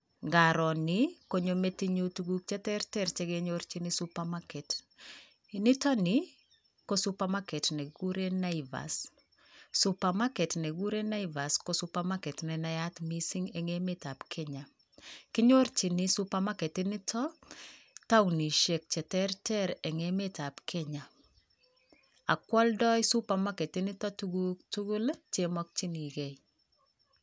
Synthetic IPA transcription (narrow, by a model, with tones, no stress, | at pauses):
ŋɡaɾɔ˨nɪko˦ɲome˦ti˦ɲotuɡu˦k̚t͡ʃɛ˦tɛ˦ɾtɛɾt͡ʃɛɡeɲoɾt͡ʃinɪsupamakɛ˨t | nɪ˦tɔ˦nɪ | kosu˦pamakɛ˨tnɛ˨ɡu˦ɾena˦ɪva̰s | supama˦kɛ˨tnɛ˨ɡu˦ɾe˦na˦ɪva˨skosupamakɛ˨tnɛnajat̪misi˦ŋɛ˨ŋe˦me˦ta˨pkʰɛ˦ɲa˨ | kɪ˦ɲo˦ɾt͡ʃi˨nɪsu˦pa˦ma˦kɛ˨tɪ˦nɪ˦tʰɔ˦ | ta˦wni˨ʃe˨k̚t͡ʃɛ˨tɛ˦ɾtɛ˦ɾɛ˨ŋeme˦ta˨pkʰɛ˦ɲa˨ | a̰˨kwɔ˦ldɔ˦jsu˦pa˨ma˦ke˨tɪ˦nɪ˦tɔ˦tuɡtu˦ɡu˦lt͡ʃe˦mɔ˦k̚t͡ʃi˦ni˨ɡe˨j